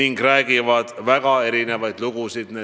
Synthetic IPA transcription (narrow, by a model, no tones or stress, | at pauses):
iŋɡræːɡ̥ivɑd̪̥væɡ̥ɑe̞ɾine̞vɑjd̪̥luɡ̥usid̪̥ne